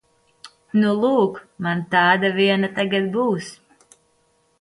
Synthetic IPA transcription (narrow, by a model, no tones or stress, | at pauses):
nulˠuːkmant̪ɑːd̪aviɛnat̪aɡat̪̚buːs